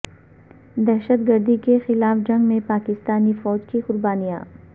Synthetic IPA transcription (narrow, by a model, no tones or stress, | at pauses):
d̪ɛɦʃət̪ɡəɾd̪ikexɪlaːfd͡ʒɐ̃ŋɡmẽpaːkɪst̪aːnifɔːd͡ʒkiqʊɾbaːnija̰ː